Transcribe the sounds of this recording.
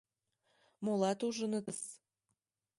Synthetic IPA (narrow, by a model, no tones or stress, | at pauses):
molɑt̪uʒənət̪əs